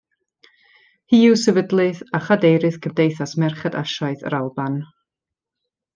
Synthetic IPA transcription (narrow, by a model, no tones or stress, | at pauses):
hiːɨwsəvədlˠɨðaχadejɾɨθkʰəmdejθasmɛrχɛda̰ʃaɨθə̰ɾalˠban